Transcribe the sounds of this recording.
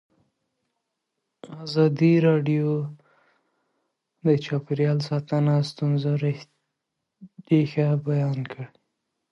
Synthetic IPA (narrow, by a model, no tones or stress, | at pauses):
azɑd̪iɾɑɖijo | d̪ət͡ʃɑpɪɾjɑlsɑt̪anast̪unzaɾe | ɾexabajɑnkʰəɽe